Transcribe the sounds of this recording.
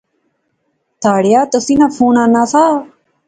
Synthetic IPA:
t̪ʰaːɽɪjaːt̪əsinãfʰuːnãːnaːsaː

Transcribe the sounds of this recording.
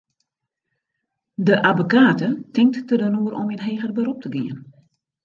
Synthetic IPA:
dəʔabokaːtətɪŋk̚tːtədənuəɾʔɔminɦeːɣərbəɾup̚təɡiən

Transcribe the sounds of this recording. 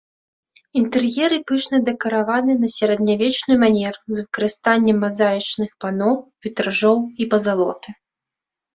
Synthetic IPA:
int̪ɛrjɛɾɨpɨʂnɐd̪ɛkɐɾavanɨnɐsʲɐɾɐd̪nʲavʲɛt͡ʂnɨjmanʲɛrɨzvɨkɐɾɨst̪anʲːɛmːazajʲit͡ʂnɨxpanɔwvʲit̪ɾaʐɔwipɐzalˠɔ̰t̪ɨ

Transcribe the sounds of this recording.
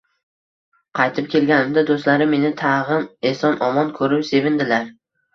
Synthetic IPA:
qʰɑjt̪ʰɪp̚kʲʰe̞lɡʲanɪmd̪ad̪ost̪laɾɪme̞nɪt̪ʰɑʁɨnesɒnʔɒmɒnkʰɵɾɪpse̞vɪnd̪ɪlaɾ

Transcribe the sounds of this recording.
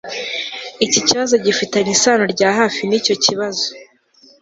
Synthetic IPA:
iciciβazo̞ɟifitaɲisaːnoɾɟaːɦaːfinico̞ciβazo̥

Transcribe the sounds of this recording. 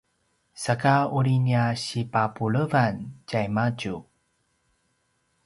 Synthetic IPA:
sakauɭiniaɕipapuɭəvancajmaɟu

